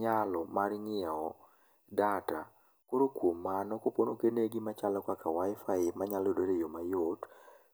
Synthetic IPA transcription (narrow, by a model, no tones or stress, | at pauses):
ɲalɔmaɾɲɪaɔ | data | koɾokwomːanɔkoponokeneɡimat͡ʃalɔkakawaɪfaɪmaɲalɔdodejomajot